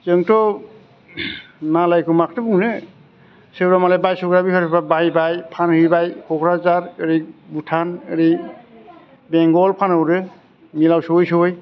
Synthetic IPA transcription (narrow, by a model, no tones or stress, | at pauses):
zɯŋtɔ | nalajkumaktɯbuŋnɯ | sewɾamalebajsɯkɾabipʰaɾʰɔpabajbajpʰanhɯjbajkʰɔkʰɾazaɾɯɾibutʰanɯɾi | bɛŋɡɔlpʰanɯwɾɯ | milawsɯwɯjsɯwɯj